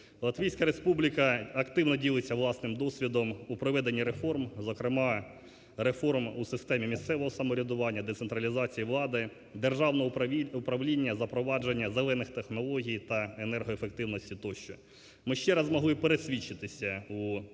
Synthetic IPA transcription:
lˠɐt̪ʋʲijsʲkɐɾespublʲikɐɐkt̪ɪwnɔdʲilˠɪt͡sʲɐʋlˠɑsnɪmd̪ɔsʲʋʲid̪ɔmupɾɔʋɛd̪enʲːiɾefɔrmzɔkɾɪmɑ | ɾefɔrmusɪst̪ɛmʲimʲist̪sɛʋɔɦɔsɐmɔɾʲid̪ʊʋɑnʲːɐd̪et̪sent̪ɾɐlʲizɑt͡sʲijiʋlˠɑd̪ɪ | d̪erʒɑwnɔupɾɐʋlʲinʲːɐzɐpɾɔʋɑd͡ʒenʲːɐzelˠɛnɪxt̪exnɔlˠɔɦʲijt̪ɐenɛrɦɔefek̚t̪ɪwnɔsʲtʲit̪ɔʃt͡ʃɔ | mɪʃt͡ʃɛɾɐzmɔɦlˠɪpeɾesʲʋʲit͡ʃːɪt̪ɪsʲɐu

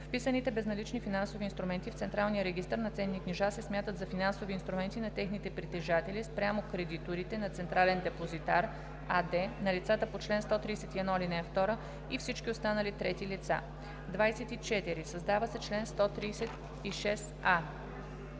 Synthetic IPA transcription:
fpisənit̪ɛbɛznɐlit͡ʃnifinansoviːnst̪ɾumɛnt̪ift̪sɛnt̪ɾalˠnijəɾɛɡist̪əɾnɐt̪sɛnːikniʒasɛsmjat̪ət̪zɐfinansoviːnst̪ɾumɛnt̪inɐt̪ɛxnit̪ɛpɾit̪ɛʒat̪ɛlispɾʲjamokɾɛd̪it̪oɾit̪ɛnɐt̪sɛnt̪ɾalɛnd̪ɛpozit̪aɾ | ad̪ɛnɐlit̪sat̪əpot͡ʃlɛnst̪ɔt̪ɾiːsɛt̪iɛd̪nɔlinɛɛft̪ɔɾə | ifsit͡ʃkʲiost̪anəlit̪ɾɛt̪ilit̪sa̰ | d̪vajsɛt̪it͡ʃɛt̪iɾisɐzd̪avəsɛt͡ʃlɛnst̪ɔt̪ɾiːsɛt̪ | iʃɛs | a

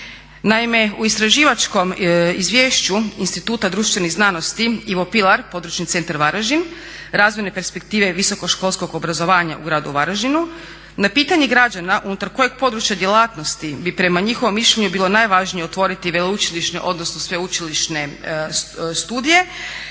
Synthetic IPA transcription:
naime̞uist̪ɾaʒiːʋat͡ʃko̞mizʋjeːʃt͡ɕuinst̪it̪uːt̪ad̪ɾuʃt̪ʋe̞niznano̞st̪iiʋo̞pilˠaɾpo̞d̪ɾut͡ʃnit̪se̞nt̪aɾʋaɾaʒin | ɾaːzmenepe̞ɾspe̞kt̪iːʋe̞ʋiso̞ko̞ʃko̞lˠsko̞ɡobɾazo̞ʋaːɲa̰ʔṵɡɾaːd̪uʋaɾaʒinu | napiːt̪aɲeɡɾad͡ʑanaʔunut̪aɾko̞je̞ɡ̥̚po̞d̪ɾut͡ʃjad̪je̞laːt̪no̞st̪ibipɾe̞maɲixo̞ʋo̞mːiʃʎeɲubiːlˠo̞naːjʋaʒnijeo̞t̪ʋo̞ːɾit̪iʋelout͡ʃiliʃnḛʔo̞d̪nosnosʋe̞ut͡ʃiliʃne̞ | st̪uːd̪ije̞

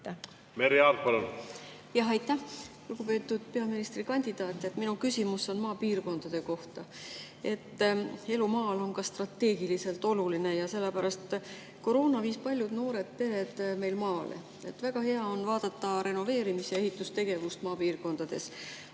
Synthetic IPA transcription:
meɾeɑlpɑlun | jɑɦɑjt̪ːˑæh | luɡ̥upe̞ːt̪ːˑud̪̥̚pe̞ɑminist̪rikɑnʲd̪̥id̪̥ɑːt̪ʲˑːet̪minukysʲimusːo̞nmɑːpiːrko̞nd̪̥ɑd̪̥e̞ko̞ht̪ɑ | e̞t̪ːe̞lumɑːlo̞nkɑst̪rɑt̪ːe̞ːɡ̥ilise̞lt̪ˑo̞luline̞jɑselːepæɾɑst̪ | ko̞ɾo̞ːnɑviːspɑlʲjud̪no̞ːɾe̞d̪̥̚pe̞ɾe̞d̪̥me̞jlmɑːlḛ | e̞t̪ːvæɡ̥ɑhe̞ɑo̞nvɑːd̪̥ɑt̪ːɑɾe̞no̞ve̞ːɾimisjɑe̞ɦit̪ːˑust̪e̞ɡ̥e̞vust̪mɑːpiːrko̞nd̪̥ɑd̪̥e̞s

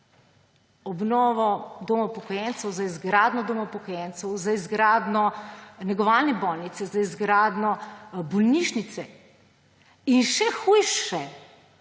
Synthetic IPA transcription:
ɔbnɔːʋɔd̪ɔmɔpɔkɔjɛnt̪sɛwzaizɡɾaːd̪nɔd̪ɔmɔpɔkɔjɛnt̪sɛwzaizɡɾaːd̪nɔnɛɡɔʋaːlnɛbɔlnit̪sɛzaizɡɾaːd̪nɔbɔlniʃnit̪sɛ | inʃɛxujʃɛ

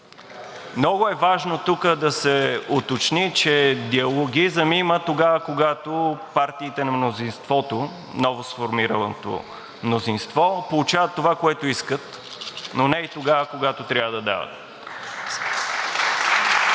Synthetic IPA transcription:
mnɔɡʊɛvaʒnot̪ukəd̪ɐsɛot̪ot͡ʃnit͡ʃɛd̪iɐlˠoɡizəmimət̪oɡavəkoɡat̪opaɾt̪iːt̪ɛnɐmnozinst̪vɔt̪o | nɔvosfoɾmiɾət̪o̰ | mnozinst̪vɔpolˠʊt͡ʃavət̪ːovakoɛt̪oiskət̪ | nonɛit̪oɡavəkoɡat̪ot̪ɾʲavəd̪ɐd̪a̰və̰t̪

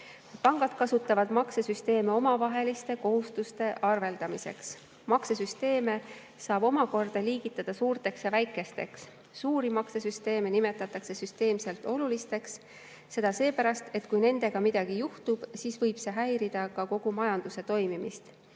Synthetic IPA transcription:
pɑŋɡ̥ɑd̪̥̚kɑsut̪ːˑɑvɑd̪̥mɑksesyst̪e̞ːmeo̞mɑvɑɦe̞list̪e̞ko̞ɦust̪ust̪e̞ʔɑrve̞ld̪̥ɑmise̞̰ks | mɑksesyst̪e̞ːme̞ | sɑːb̥o̞mɑko̞rd̪̥ɑliːɡit̪ːˑɑd̪̥ɑsuːrt̪e̞ksjɑvæjkːˑe̞st̪e̞̰ksː | uːɾimɑksesyst̪e̞ːmenime̞t̪ːˑɑt̪ːˑɑkse̞syst̪e̞ːmse̞lt̪ˑo̞lulist̪e̞ks | se̞d̪̥ɑse̞ːpæɾɑst̪e̞t̪kujne̞nd̪̥e̞ɡ̥ɑmid̪̥ɑɡ̥ijuht̪ub̥siːsvɤjb̥se̞ɦæjɾid̪̥ɑkɑko̞ɡ̥umɑjɑnd̪̥use̞t̪o̞jmimist̪

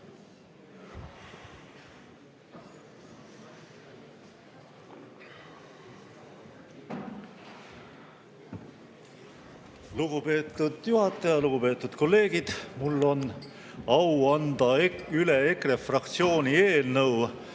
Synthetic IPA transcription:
luɡ̥upe̞ːt̪ˑːud̪̥juhɑt̪ːˑɑjɑluɡ̥upe̞ːt̪ːˑud̪̥ko̞lːe̞ːɡid̪̥mulːo̞n | ɑwɑnd̪̥ɑyle̞ekrefrɑkt̪sio̞ːnie̞ːlnɤw

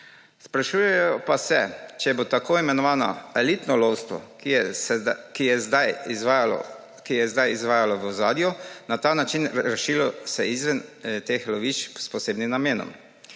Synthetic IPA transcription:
spɾaʃujɛjɔpasɛt͡ʃɛɛbot̪akoːimɛnɔʋaːnɔ̰ɛliːt̪nɔlowst̪ʋɔ̰ | kijɛzaj̰ | kijɛzd̪ajizʋaːjalɔʋɔzaːd̪jɔnat̪aːnat͡ʃinɾɛʃilɔsɛizʋɛnt̪exlɔʋiːt͡ʃspɔseːbnimnameːnɔ̰m

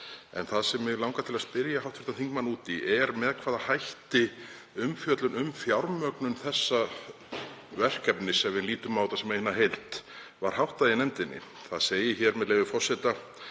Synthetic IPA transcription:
ɛ̰nθaðsɛmvɪɣlawŋkat̪ʰɪlaspɪɾjahawht̪fɪ̥ɾ̥t̪anθiŋkmanuːt̪iʔɛɾmɛðkʰvaːðahajht̪ɪ | ʏmfjœt̪lʏnʏmfjawɾmœknʏnθɛsːa | vɛr̥kɛpnɪsɛvɪliːt̪ʏmːaːwt̪asɛmeːjhnːaɦejl̥t̪ | vaɾ̥hawht̪aðɪnɛmt̪ɪnːɪ̰ | θaðseːjɪçɛɾmɛðleːjvɪfɔr̥sɛt̪a

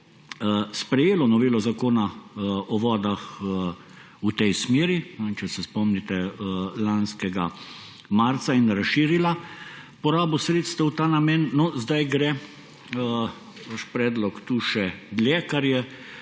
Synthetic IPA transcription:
spɾɛjeːlɔnɔʋeːlɔzakoːnaʔɔʋɔːd̪ax | ut̪ɛjsmeːɾinɛt͡ʃɛsɛspɔmnit̪ɛlanskɛɡa | maɾt̪sainɾasʃiːɾila | pɔɾaːbɔsɾeːt̪st̪ɛwt̪aːnamɛnːɔzd̪ajɡɾɛ | ʋaʃpɾɛːd̪lɔkt̪uʃɛd̪ljɛːkaɾjɛ

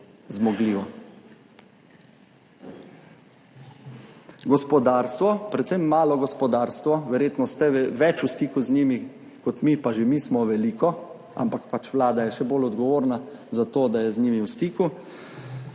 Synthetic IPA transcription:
zmɔɡliːʋɔ | ɡɔspɔd̪aːɾst̪ʋɔpɾɛt̪semːaːlɔɡɔspɔd̪aːɾst̪ʋɔʋɛɾjeːt̪nɔst̪ɛʋɛt͡ʃust̪iːkuzniːmi | kɔt̪mipaʒemismɔʋɛliːkɔ | a̰mpakpat͡ʃʋlaːd̪ajɛʃɛbolɔd̪ɡɔʋoːɾnazat̪oːd̪ajɛzniːmiwst̪iːku

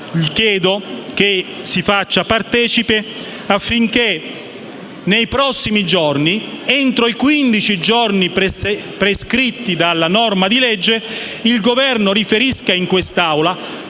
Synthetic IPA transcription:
ʎikjɛːd̪oke | sifat͡ʃːapart̪ɛːt͡ʃipe | afːiŋk̟e | nejpɾɔsːimid͡ʒornieɛnt̪ɾoikwind̪it͡ʃid͡ʒorni | pɾeskɾit̪ːid̪alːanɔrmad̪ilɛd͡ʒːe | ilɡovɛrnoɾifeɾiskaiŋkwest̪awla

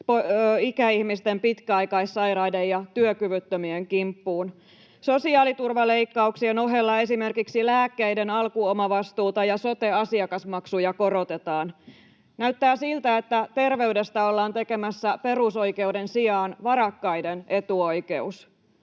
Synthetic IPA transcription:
poikæihmist̪empit̪kæɑjkɑisːɑjɾɑidejɑt̪yøkyʋyt̪ːømieŋkimpːuːn | so̞siɑːlit̪urʋɑle̞ikːɑuksieno̞ɦe̞lːɑe̞sime̞rkiksilæːkːeide̞nɑlkuomɑʋɑst̪uːt̪ɑjɑso̞t̪e̞ɑsiɑkɑsmɑksujɑko̞ɾo̞t̪e̞t̪ɑːn | næyt̪ːæːsilt̪æet̪ːæt̪e̞rʋe̞yde̞st̪æolːɑːnt̪e̞ke̞mæsːæpe̞ruso̞jke̞uwdensiɑːnʋɑɾɑkːɑjdene̞t̪uo̞jke̞us

